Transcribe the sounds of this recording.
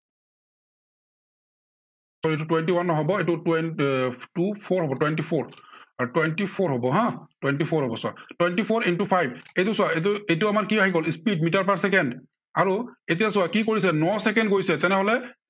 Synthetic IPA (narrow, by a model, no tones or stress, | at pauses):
sɔletutwɛntiwanːɔɦɔbɔetu | tupʰɔɹɦɔbɔtwɛntipʰɔɹtwɛntipʰoɹɦɔbɔɦãtwɛntipʰɔɹɦɔbɔsʊa̰twɛntipʰɔɹintupʰajbetusʊaetuetʊamaɹkiaxikɔlispidmitaɹpaɹsɛkɛnd | aɹuet̬ijasʊakikoɹisɛnɔsɛkɛndɡojsɛtɛnɛɦɔlɛ